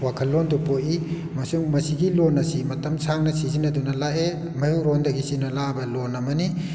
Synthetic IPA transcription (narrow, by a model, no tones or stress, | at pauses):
wakʰɐlːondupoʔi | mɐsuŋmɐsiɡilonːɐsimɐtɐmsaŋnɐsizinɐdunɐlae | mɐjuɾɔndɐɡisinɐlabɐlonɐmɐni